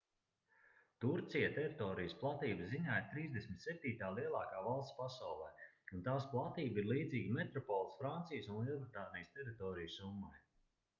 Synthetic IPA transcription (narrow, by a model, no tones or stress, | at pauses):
t̪uɾt̪sijat̪ɛɾit̪ɔːɾijəsplˠat̪iːbəziɲaːiɾt̪ɾiːzd̪esʲmʲit̪ʲsɛp̚t̪iːt̪aːliɛlˠaːkaːvalˠst̪spasawlˠɛː | unt̪aːsplˠat̪iːbiɾlˠiːd̪ziːɡʲimɛt̪ɾɔpɔːlˠsfɾant̪sijəsunlˠilˠbɾt̪aːnijəst̪ɛɾit̪ɔːɾijsumːaj